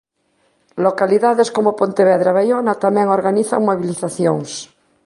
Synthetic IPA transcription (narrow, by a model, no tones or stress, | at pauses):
lokaliðaðeskomopont̪eβeðɾaβajonat̪amẽŋoɾɣaniθa̰ŋmoβiliθaθjoŋs